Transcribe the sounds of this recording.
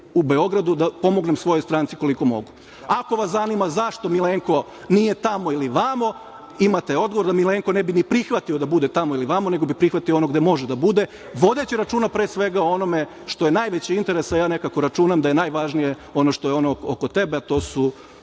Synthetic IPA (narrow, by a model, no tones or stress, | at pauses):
ube̞o̞ɡɾad̪ud̪apo̞mo̞ɡnemsʋo̞jo̞jst̪ɾaːnt̪siko̞liko̞mo̞̰ɡu | ako̞ʋaszanimazaʃt̪omileːŋko̞ | nije̞t̪amo̞iliʋamo | imat̪eo̞d̪̚ɡo̞ʋo̞ɾd̪amileːŋko̞nebinipɾixʋat̪io̞d̪abud̪e̞t̪amoiliʋamone̞ɡo̞bipɾixʋat̪ioono̞ɡd̪e̞mo̞ʒed̪abud̪e̞ | ʋo̞d̪et͡ɕiɾat͡ʃuːnapɾeːsʋe̞ɡaoo̞no̞me̞ | ʃt̪ojenaːjʋet͡ɕiint̪e̞ɾe̞sajaːne̞kako̞ɾat͡ʃuːnamd̪aje̞naːjʋaʒnije̞ | o̞noʃt̪o̞jeo̞nookot̪e̞beat̪o̞ːsu